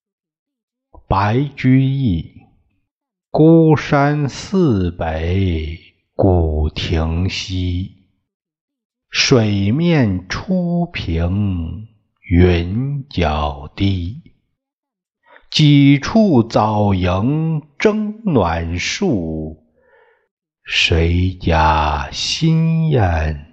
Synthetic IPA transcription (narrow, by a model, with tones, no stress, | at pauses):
pa˧˥ɪt͡ɕy˥i˥˩ | ku˥ʂa˥nsɹ̩˥˧pe˧˥ɪ | ku˨˩t̪ʰi˧˥ŋɕi˥ | ʂwe˨˩ɪmjɛ˥˩nʈ͡ʂʰu˥pʰi˧˥ŋ | y˧˥nt͡ɕjɑ˨˩ʊt̪i˥˩ | t͡ɕi˨˩ʈ͡ʂʰu˥˩t͡sɑ˨˩ʊjə˧˥ŋʈ͡ʂɤ˥ŋnwa˨˩nʂu˥˩ | ʂwe˧˥ɪt͡ɕja˥˩ɕi˥njɛ˥˩n